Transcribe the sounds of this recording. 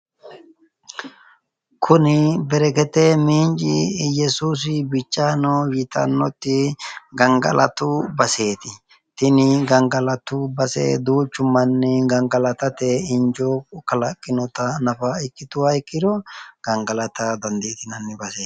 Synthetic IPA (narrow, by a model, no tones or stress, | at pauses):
kʰʊnɪbɛɾɛkɛt̪emiːnt͡ʃʼɪjɛsuːs̬ɪbɪt͡ʃʼːaːnojɪt̪ɐ̰nːɔt̪ːɪɡɐŋɡɐ̰lʔɐ̰t̪ʊbɐse̞ːt̪ɪ | t̪ɪnɪɡɐŋɡɐlɐt̪ʊbɐsḛːd̪uːt͡ʃːʊmːɐnːɛɡɐŋɡɐlɐt̪ɐt̪ɛɪnd͡ʒɔkɐlɐkʼːɪnɔt̪ɐnɐfɐɪkʼːɪt̪ʊwaɪkʼːɪd̪ɔɡ̥ɐŋɡɐlɐt̪ɐd̪ɐnd̪eːt̪ɪnɐnːɪbɐseː